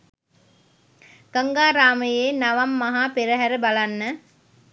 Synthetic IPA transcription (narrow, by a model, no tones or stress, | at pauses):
ɡ̥ɐŋɡaːɾaːməjeːnɐʋɐmːɐɦaːpeɾəɦæɾəbalanːə